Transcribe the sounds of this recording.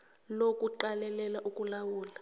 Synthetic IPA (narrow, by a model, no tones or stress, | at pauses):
lokʼuǃalɛlɛlaʔukʼulawuːla